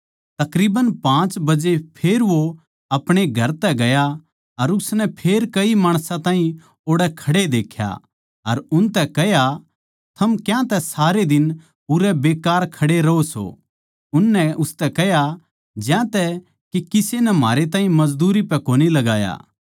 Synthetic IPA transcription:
t̪ɐkɾiːbənpãːt͡ʃbɐd͡ʒepʰeːɾʋo | ɐpɽ̃eɡʱɐɾt̪ɛɡɐja | ɐɾʊsnɛpʰeːɾkɐimaːɽ̃sãt̪aːɦĩ | oːɽɛkʰɐɽed̪eːkʰja̰ | ɐɾʊnt̪ɛkɛɦja | t̪ʰɐmkjãt̪ɛsaːɾed̪ɪn | ʊɾɛbeːkaːɾkʰɐɽeɾɐoso̰ | ʊnːɛʊst̪ɛkɛɦja | d͡ʒjãt̪ɛ | kikɪsenɛma̰ːɾet̪̬ãːɦĩmɐd͡ʒd̪uːɾipɛ̃koːnilɐɡaːja̰ː

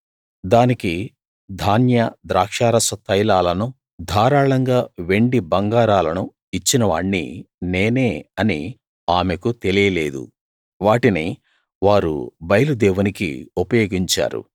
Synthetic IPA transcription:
d̪aːniki | d̪ʱaːnjɐd̪ɾaːkʂaːɾɐsɐt̪ʰɐjlaːlɐnu | d̪ʱaːɾaːɭɐŋɡaːʋe̞ɳɖibɐŋɡaːɾaːlɐnu | it͡ʃːinɐʋaːɳːḭ | neːneːɐnḭ | aːmekut̪elijɐleːd̪ṵ | ʋaːʈini | ʋaːɾṵbɐjlud̪ɛːʋunikḭupɐjoːɡiɲt͡ʃa̰ːɾṵ

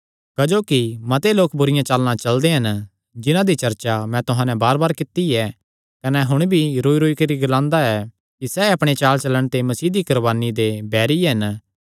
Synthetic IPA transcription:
kɐd͡ʒoːkimɐt̪eloːkbʊɾɪjãt͡ʃaːlnãt͡ʃɐld̪eɦɐn | d͡ʒɪnãd̪it͡ʃɐɾt͡ʃamɛ̃t̪ʊɦãːnɛ̃baːɾbaːɾkɪt̪iɛ | kɐnɛɦʊɽ̃bʱiɾoːiɾoːikɐɾiɡɐlãːnd̪aɛ | kisɛɐpɽ̃et͡ʃaːlt͡ʃɐləɽ̃t̪emɐsiːd̪ikɐɾbaːnid̪ebɛːɾiɦɐn

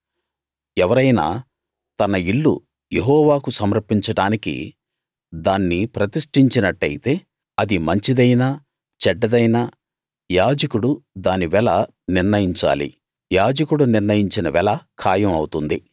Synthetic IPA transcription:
ɛʋɐɾɐjna̰ː | t̪ɐnɐiɭːṵ | jeɦɔːʋaːkusɐmɾɐpːiɲt͡ʃɐɽaːnikḭ | d̪aːnːipɾɐt̪iʂʈiɲt͡ʃinɐʈːɐjit̪e̞ː | ɐd̪imɐɲt͡ʃid̪ɐjnɐ | t͡ʃɛɖːɐd̪ɐjnɐ | jaːd͡ʒɐkuɽud̪aːniʋɛlɐ | niɾnɐjiɲt͡ʃa̰ːlḭ | jaːd͡ʒɐkuɽuniɾnɐjiɲt͡ʃinɐʋɛlɐkʰaːjɐmɐwut̪und̪i

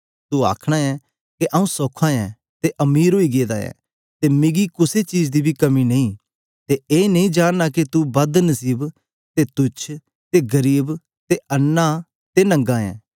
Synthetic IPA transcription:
t̪ua̰ːkʰɽ̃aːɛ | keʔaːũsɔːkʰːãːɛ̃ | t̪eʔɐmiːɾɦoːiɡeːd̪aːjɛ̰ː | t̪emɪɡikʊset͡ʃiːd͡ʒd̪ibʱikɐminɐĩː | t̪eeːnɐ̃ĩd͡ʒaːnːaket̪ubɐd̪nɐsiːb | t̪et̪ʊt͡ʃʰ | t̪eɡɐɾiːb | t̪eʔɐnːa | t̪enɐ̃ŋɡãːɛ̰̃ː

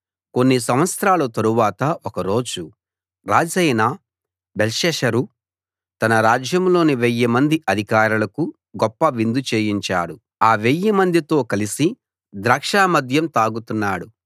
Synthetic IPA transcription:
ko̞nːisɐmʋɐt̪sɾaːlut̪ɐɾuʋaːt̪ɐɔkɐɾo̞ːd͡ʒu | ɾaːd͡ʒɐjnaː | belʃɛːʃɐɾu | t̪ɐnɐɾaːd͡ʒjɐmlo̞ːniʋejːɐmɐnd̪iʔɐd̪ʱikaːɾulɐku | ɡɔpːɐʋind̪ut͡ʃe̞ːjiɲt͡ʃa̰ːɽu | aːʋejːɐmɐnd̪it̪o̞ːkɐlisi | d̪ɾaːkʂaːmɐd̪ʱjɐmt̪aːɡut̪unːaːɽu

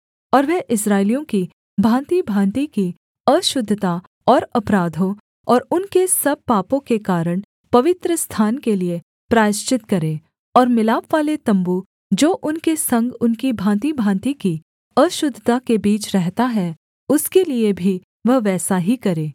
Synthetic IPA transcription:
ɔːɾʋɛɦʔɪsɾaːɪlijõki | bʱãːnt̪ibʱãːnt̪iki | ɐʃʊd̪ʱːət̪a | ɔːɾɐpɾaːd̪ʱõ | ɔːɾʊnkesɐb̚paːpõkekaːɾəɽ̃ | pɐʋɪt̪ɾəst̪ʰaːnkelie | pɾaːjɪʃt͡ʃɪt̪kɐɾẽː | ɔːɾmɪlaːpʋaːlet̪ɐ̃mbu | d͡ʒoːʔʊnkesɐ̃ŋɡʊnkibʱãːnt̪ibʱãːnt̪iki | ɐʃʊd̪ʱət̪akebiːt͡ʃɾɛɦt̪aɦɛ | ʊskeliebʱi | ʋɐɦʋɛːsaɦikɐɾẽː

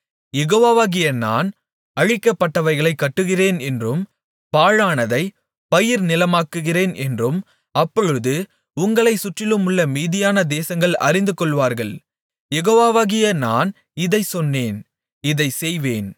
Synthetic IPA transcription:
jɛɣoːʋaːʋaːɣɪjɐna̰ːn | ɐɻɪkːɐpːɐʈːɐʋɐɪɣɐɭɐɪkːɐʈːɯɣɪreːnɛndrɯm | paːɻaːnɐðɐɪ | pɐjɪɾnɪlɐmaːkːɯɣɪreːnɛndrɯm | ɐpːɔɻɯðɯ | ʊŋɡɐɭɐɪsʊʈrɪlɯmʊɭːɐmiːðɪjaːnɐd̪eːsɐŋɡɐɭɐ̰rɪnd̪ɯkɔɭʋaːɾɣɐɭ | jɛɣoːʋaːʋaːɣɪjɐnaːn | ɪðɐɪsɔnːeːn | ɪðɐɪsɛjʋeːn

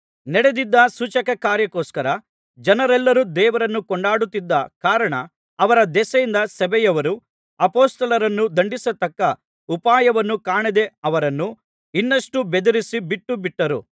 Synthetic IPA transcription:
nɛɽed̪id̪ːɐsut͡ʃɐkɐkaːɾjɐkoːskɐɾɐ | d͡ʒɐnɐɾɛlːɐɾud̪ɛːʋɐɾɐnːukɔɳɖaːɽut̪ːid̪ːɐkaːɾɐɳɐ | ɐʋɐɾɐd̪ɛsɐjind̪ɐsɐbɛjɐʋɐɾu | ɐpoːst̪ɐlɐɾɐnːud̪ɐɳɖisɐt̪ɐkːɐ | upaːjɐʋɐnːukaːɳid̪e̞ɐʋɐɾɐnːu | inːɐʂʈubed̪ɐɾisibiʈːubiʈːɐɾṵ

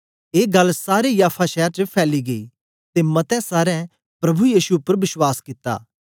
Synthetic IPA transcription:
eːɡɐlsaːɾejaːpʰaʃɛːaɾt͡ʃəpʰɛːliɡɐiː | t̪emɐt̪ɛ̃saːɾɛ̃ | pɾɐbʱujiːsuʊpːəɾʋɪswaːskɪt̪ːa̰ː

